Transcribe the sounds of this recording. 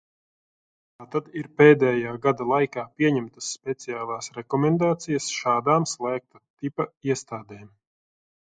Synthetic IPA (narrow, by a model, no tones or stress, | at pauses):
t̪aːt̪ad̪iɾpeːd̪ɛːjaːɡad̪alˠajkaːpʲiɛɲɛmt̪ɐsːpʲɛt̪siaːlˠaːsɾɛkɔmɛnd̪aːt̪sijɐsʃaːd̪aːmslˠæːk̚t̪at̪ipaiɛst̪aːd̪ɛːm